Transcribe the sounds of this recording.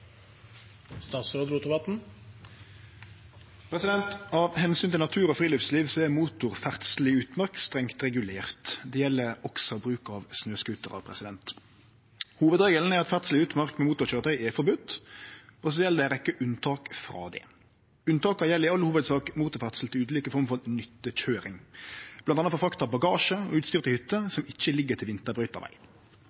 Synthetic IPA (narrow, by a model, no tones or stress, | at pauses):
st̪ɑːt̪søːd̪ɾuːt̪əbɑt̪n̩ | pʰɾɛsɪd̪ɛnt̪ɑʋhɛnsyːnt̪ɪɑt̪ʰʉːʁɔfʁiːlœfsliːʋsɔɛmuːt̪ʊʁfæʁt̪slɪʉːt̪mɑʁkst̪ʁɛŋt̪ɾɛɡʉleːʁt̪d̪ɛjɛlːəɾɔksɔbʁʉːkɑʋsnøːskʉt̪əʁɑ̰ʋpʰʁɛ̰sɪd̪ɛnt̪ | huːʋəd̪ʁeːɡəln̩æɾɑt̪fæt̪sl̩ɪʉːt̪mɑʁkmɛmuːt̪ʊçøːɾət̪ʰœʏɛfɔɾbʉt̪ː | ɔsɔjɛlːəd̪ɛɾɛkːəʔʉnt̪ʰɑːkfɾɑ̰ːd̪ɛ̰ | ʉnt̪ʰɑːkəjɛlːəʁɪɑlːəhuːʋəd̪sɑːkmuːt̪ɔfæʁt̪sl̩t̪ɪʉːd̪liːkəfɔɾmfɔʁnʏt̪ːəc͡çøːɾɪŋb̥lɑnɑnɑfɔfɾɑkt̪ɑbɑɡɑːʃəɔ̰ʉːt̪st̪yːʁt̪əhʏt̪ːəsɔmɪçːəlɪɡːət̪ʰɪlʋɪnt̪əbɾʁœʏt̪ɑ̰ʋæ̰ɪ